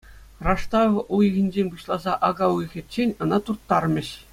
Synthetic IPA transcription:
rɑʂt̪ɑʋujɣʲĭnʲd͡ʑenʲbuɕlˠɑzɑʔɑɡɑujɣʲɘ̆t͡ɕːenʲɤ̆nɑt̪urt̪ːɑrmʲɘ̆ɕ

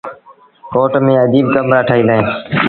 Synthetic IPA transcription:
koːʈmẽːəd͡ʒiːb̚kəmɾaːʈʰaːɦiːləɦẽː

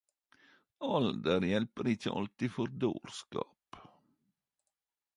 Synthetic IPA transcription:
ɔld̪əɾjɛlpəɾɪçəʔɑ̰lt̪ɪfɔɾd̪o̰ːɾskɑ̰ːp

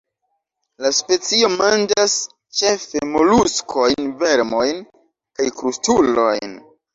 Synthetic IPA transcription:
laspe̞t͡sio̞mand͡ʒas | t͡ʃe̞fe̞mo̞luskʰo̞jnve̞ɾmo̞jn | kajkɾustulo̞̰jn

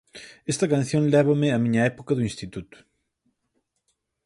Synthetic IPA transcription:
ɛst̪ɐkãnθjõŋlɛβɐmɪɐmiɲɐɛpokɐðuĩnst̪it̪ut̪ʊ̥

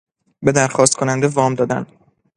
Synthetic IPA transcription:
be̞d̪æɾxɒːst̪̚kʰo̞nænd̪evɒːmd̪ɒːd̪æ̰n

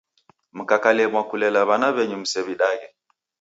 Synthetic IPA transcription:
m̩kakalɛmwakulɛlaβanaβɛɲum̩sɛβiɗaɣɛ

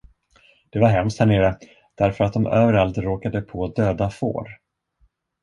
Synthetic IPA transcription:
d̪̥ɛvaɾɦɛmst̪hæɳeːɾə | d̪̥æɾfœɾat̪̚d̪ɔmøːvəɾalt̪ɾoːkad̪əpʰod̪øːd̪afo̰ːɾ

